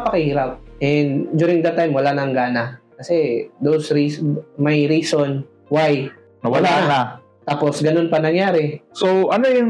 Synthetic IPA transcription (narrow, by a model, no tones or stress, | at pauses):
pɐkɪhiːɾɐp̚ʔɛnd̪d̪uːɾɪ̃ŋɡd̪ɐt̪ːajmwɐlanɐŋɡaːnɐkɐsɛd̪owsɾismɐjɾiːson | waj | ɐwɐlanɐna | t̪aːposɡɐno̞npɐnɐŋjaːɾɛsoʔɐnojʊŋ